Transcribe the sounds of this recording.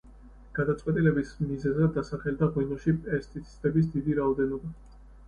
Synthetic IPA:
ɡ̥ad̪at̪sʼqʼwɛt̪ʼilɛbismizɛzɛd̪asaχɛld̪aʁwinɔʃipʼɛst̪ʼit̪sʰi̥st̪ʼɛbis̬d̪id̪iɾaɔd̪ɛnɔba

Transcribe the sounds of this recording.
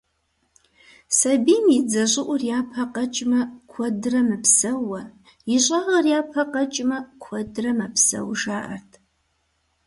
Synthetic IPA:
sɐbiːmid͡zɐʑʷʼɪʔʷʊrjaːpʰɐqɐt͡ʃʼmɐkʷʰɔdɨrɐmɨpsɐwːɐ | jɪɕʼɐʁɐrjaːpʰɐqɐt͡ʃʼmɐkʷʰɔdrɐmɐpʰsɐ̰wʒaːʔɐ̰rtʰ

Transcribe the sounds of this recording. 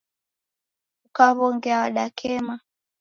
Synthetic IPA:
ukaβɔŋɡɛaaɗakʰɛma

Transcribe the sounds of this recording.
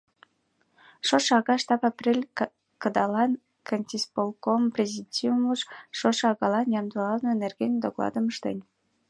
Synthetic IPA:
ʃoʃɑɣɑʃt̪ɑpɑprʲelʲ | kəd̪ɑlɑn | kʰənʲt̪ʲispolˠkomprʲezʲitʲiuməʃʃoʃɑɣɑlɑnjɑmd̪uɑlnoenerɡenʲd̪oɣlˠɑ̰d̪əməʃt̪ḛnʲ

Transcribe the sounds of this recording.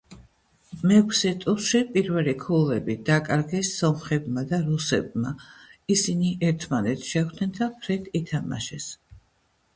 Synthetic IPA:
mɛkʷʰsɛt̪ʼuʃipʼiɾvɛlikʰulɛbid̪̥akʼaɾɡɛsːɔmχɛbmad̪aɾusɛ̰b̚maisiniʔɛɾt̪ʰmanɛt̪ʰʃɛχd̪nɛnd̪apʰɾɛt̪ʰit̪ʰama̰ʃɛs

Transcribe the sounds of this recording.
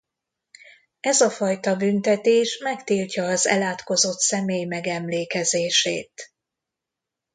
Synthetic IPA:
ɛzɒfɒjt̪ɒbynt̪ɛt̪eːʃmɛkt̪iːlcɒːzɛ̰laːt̪ko̞zo̞t̪sɛmeːjmɛɡɛmleːkɛzeːʃḛːt̪

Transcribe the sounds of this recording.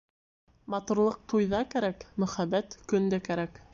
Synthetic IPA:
mɑt̪uɾlˠɤq̚t̪ujðɑkæɾækmɵ̆χæβæt̪kɵ̆nd̪ækæɾæk

